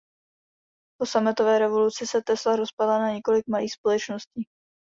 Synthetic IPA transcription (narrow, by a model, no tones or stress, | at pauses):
posamɪt̪o̞vɛːɾɛvo̞lut͡sɪsɛt̪ɛslaɾospadlanaɲɛko̞lɪk̚maliːxspolɛt͡ʃnosciː